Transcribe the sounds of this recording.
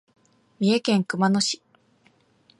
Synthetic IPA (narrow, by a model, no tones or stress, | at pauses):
mʲie̞kẽ̞ŋkɯ̟manoɕi̥